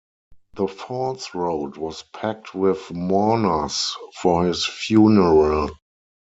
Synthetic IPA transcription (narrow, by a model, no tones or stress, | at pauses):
ðəfɔsɹoʊdwɔspʰæk̚tʰwɪθmɔnə˞sfɔhɪsfjuːnəɹal